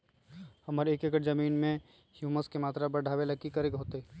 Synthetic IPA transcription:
hɐməɾeːkekəʈzɐmiːnmẽ | hjuːməskemaːt̪ɾabəɖʱaːʋelɐkːikəɾekɦoːt̪e

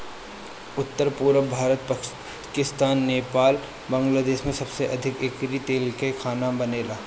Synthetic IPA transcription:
ʊt̪ːəɾpuːɾəbʱaːɾət̪̚p | kɪst̪aːnːeːpaːl | bɐ̃ŋɡlaːd̪eːʃmẽsɐbseʔɐd̪ʱɪkeːkɾit̪eːlkekʰaːnabɐneːlaː

